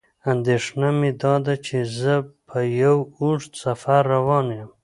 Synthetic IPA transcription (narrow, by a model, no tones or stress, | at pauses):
and̪eʂnamed̪ɑd̪at͡ʃʰezəpʰəjawuʂt̪safaɾːawɑnjam